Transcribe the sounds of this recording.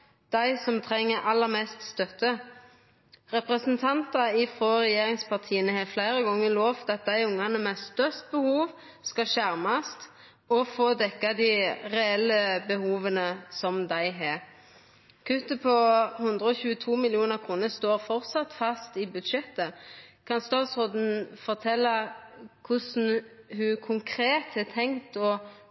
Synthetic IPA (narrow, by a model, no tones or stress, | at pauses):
d̪̥æɪsɔmt̪ʰʁɛŋːəɾʔɑlːəʁmɛst̪st̪œt̪ə | ʁɛpʁɛsənt̪ʰɑnt̪ɑɪfʁoːʁɛjeːɾɪŋspɑʁt̪ʰiːənəheːflæɪɾəɡɔŋːəloːft̪ʰɑt̪̚d̪æɪʊŋːɑnəmɛst̪œʁst̪̚bəhuːʋ | skɑʃæʁmɑst̪ | ɔfoːd̪ɛkːɑd̪ɪʁɛɛlːəbəhuːʋənəsɔmd̪æɪɦɛ | kʰʉt̪ːəpʰɔhʉnd̪ʁəɔçʉːət̪ʰuːmɪlɪuːnəɾkʰuːnəst̪oːɾfɔɾtsɑt̪fɑst̪ɪbʉd̪ʃɛt̪ːəkʰɑnst̪ɑːt̪soːd̪n̩fɔʁt̪ʰɛlːɑkʰʊsn̩hʉkʰʊŋkʰɾeːt̪ɛt̪ʰɛŋt̪ɔ